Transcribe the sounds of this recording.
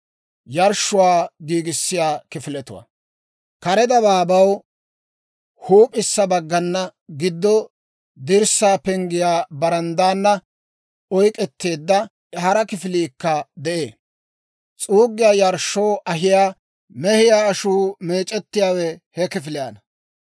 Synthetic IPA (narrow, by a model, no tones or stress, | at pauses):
jɐɾʃːʊwaːɡiːɡɪsːɪjaːkɪfɪlɛt̪ʊ̰wa̰ | kɐɾɛd̪ɐbaːbɐw | huːpʼɪsːɐbɐɡːɐnːɐɡɪd̪ːɔ | d̪ɪɾsaːpɛŋɡɪjaːbɐɾɐnd̪aːnːɐ | ɔjkʼɛt̪ːeːd̪ːɐ | ɛhɐɾɐkɪfɪliːkːɐd̪ɛʔeː | t͡sʼuːɡːɪjaːjɐɾʃːowʔɐɦɪjaː | mɛhɪjaːʃuːme̞ːt͡ʃʼɛt̪ːɪjaːwɛhɛkɪfɪlɪjaːnɐ